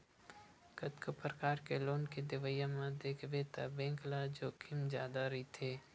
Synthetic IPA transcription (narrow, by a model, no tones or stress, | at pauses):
kət̪kəpɾəkaːɾkeloːnked̪ɪʋəjamãd̪eːkʰʋet̪a̰bẽːŋklad͡ʒoːkʰɪmzjaːd̪aɾit̪ʰeː